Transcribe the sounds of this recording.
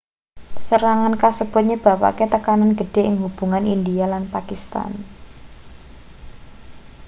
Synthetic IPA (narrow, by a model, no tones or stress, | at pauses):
səɾaŋankasəb̥ʊ̤t̪̚ɲəb̥a̤pa̰ket̪əkananɡəɖ̥e̤ʔɪŋɦub̥ṳŋanindialanpakist̪a̰n